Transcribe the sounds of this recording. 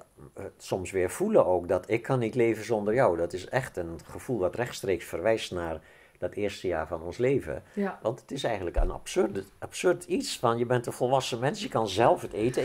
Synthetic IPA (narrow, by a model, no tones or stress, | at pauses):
sɔmsʋɪːɹfuləʔoːkdɔtʰɪkʰːɑnːitleːvənzɔndərjɔwdɔtɪsɛxtənχəv̥ulˠʋɑtrɛxtstreːksfərʋɛjstnaːr | d̥ɔtɪːrstəja̰ːɹvɑnɔnsleːvə̰ʋɑntə̥tɪsɛjɣəntləkə̰na̰psørdapsørditsfɑnjəbɛntənvɔlˠʋɑsəmɛnsjəkɑnzɛlˠfəteːtə